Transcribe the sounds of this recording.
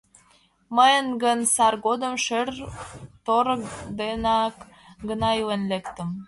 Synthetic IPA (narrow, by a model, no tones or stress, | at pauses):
məjənɡə̆nsɑrɡod̪ə̆mʃərt̪oɾd̪enɑk | ɡənɑjuwenlekt̪ə̆m